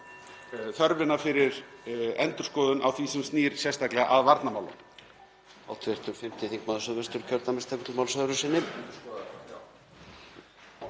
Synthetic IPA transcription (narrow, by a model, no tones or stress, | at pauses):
θœɾvɪnːafɪɾɪɾɛnt̪ʏɾ̥skɔːðʏnʔa̰wθiːsʏmst̪niːɾ̥sjɛst̪aklɛɣa̰ʔaðvaɾt̪namaːwlʏ̰m | a̰wt̪ʰvɪɾ̥t̪ʏɾ̥fɪmt̪ɪθiŋkmaðsœðvɛst̪ʏɾ̥cʰœɾt̪namɪst̪ʰakʏt̪lmawlsœðɾʏsɪnːɪm